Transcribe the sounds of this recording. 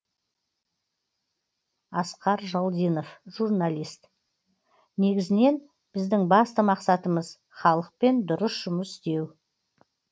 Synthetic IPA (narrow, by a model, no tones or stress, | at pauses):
ɑsqɑɾʒɑlˠd̪ijno̞fʒ̥uɾnalʲijst̪ | ne̞ɡʲɪzɪne̞n | b̥ɪzd̪ɪŋbɑst̪əmɑqsɑt̪əməz | χɑlˠəq̚pe̞nd̪ʊɾəsʒʊməst̪e̞w